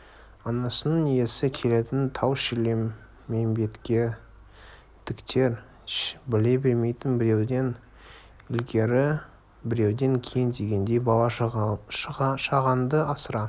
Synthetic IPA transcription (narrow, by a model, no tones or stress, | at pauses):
ɑnɑsənəɴije̞sɪkʲʰe̞le̞t̪ɪnt̪ʰɑwʃɪlʲemː | e̞mbe̞t̪kʲe̞ | d̪̥ʰɪkt̪ʰe̞ɾ | bɪle̞bʲe̞ɾme̞jt̪ɪnbɪɾe̞wd̪e̞n | ɪlɡʲe̞ɾɪ | bɪɾe̞wd̪e̞ŋkʲʰejɪnd̪e̞ɡʲe̞nd̪e̞jbɑlˠɑʃʃɑʁɑnd̪əɑsəɾɑ